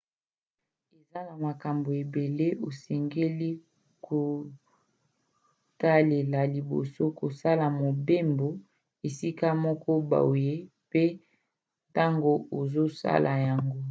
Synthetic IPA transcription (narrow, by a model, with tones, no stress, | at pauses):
e˨za˦na˨ma˨ka˨mbo˨e˨be˨le˦ʔo˨sɛ˨ŋɡe˦li˦ | kʰo˨ | ta˦le˨la˨li˨bo̰˨so˦ko˨sa˦la˨mo˨be˦mbo˨ | e˨si˦ka˦mɔ˦kɔ˦ba̰˨o˨je˦ | pe˦ | ta˦ŋɡo˦o˨zo˦sa̰˦lʔa˨ja˨ŋɡo˦